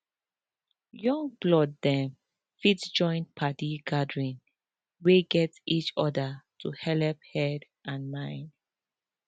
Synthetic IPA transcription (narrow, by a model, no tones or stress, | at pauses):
jɔ̃ŋblɔdːɛ̃m | fitd͡ʒɔ̃ɪ̃n̚pʰatiɡadɹĩn | weɡɛtit͡ʃɔdətʰuhɛlɛp̚hɛd | ʔãnmãɪ̃nd